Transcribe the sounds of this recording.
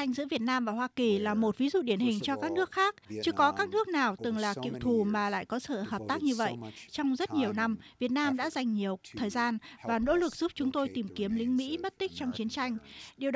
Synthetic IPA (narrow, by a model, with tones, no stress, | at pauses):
a˧jŋzɨ̰˧˥vi˨˩ət̚naː˧mvaː˨˩ɦwaː˧ki˨˩laː˨˩mo˨˩t̚vi˨˦zṵ˧˨ɗi˧˩ənhï˨˩ŋ̟t͡ɕɔ˧kaː˦˥k̚nɨ˦˥ək̚xaː˦˥k̚t͡ɕɨ˨˦kɔ˨˦kaː˦˥k̚nɨ˦˥ək̚naː˨˩wt̪ɨ˨˩ŋlaː˨˩kḭ˧˨əwt̪ʰu˨˩maː˨˩la̰ː˧˨jkɔ˨˦sə̰ː˧˩həː˨˩p̚t̪aː˦˥k̚ɲɨ˧və̰˧˨jʔt͡ɕɔ˧wŋ͡mzə˦˥t̚ɲi˨˩əwna˧mvi˨˩ət̚naː˧mɗa̰ː˧˥za˨˩jŋ̟ɲi˨˩əwt̪ʰəː˨˩jzaː˧nvaː˨˩no̰˧˥lɨ˨˩k̚z̥u˦˥p̚t͡ɕʊ˨˦ŋ͡mt̪o˧jt̪i˨˩mki˨˦əmlï˧˥ŋmḭ˧˥mə˦˥t̚t̪ï˦˥k̚t͡ɕɔ˧wŋ͡mt͡ɕi˨˦ənt͡ɕa˧jŋ̟ɗi˨˩əw